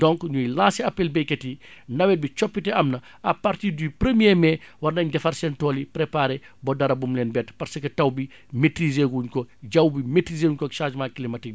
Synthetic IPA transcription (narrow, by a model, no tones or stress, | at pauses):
d̥ɔŋkɲujlãːsiɐpːɛlbɛjkɐtinɐwɛt̚bit͡ʃɔpːitɛʔɐmnɐ | ɐpartidypɾemijemɛwɐrnɐɲdɛfɐrsɛntɔːlipɾepaɾe | bɔdɐɾɐbumlɛnbɛtpɐɾsɐkɐtɐwbi | metɾizeɡuɲkɔɟɐwbimetɾizeːwuɲkɔkʃaʒmãːkilimɐti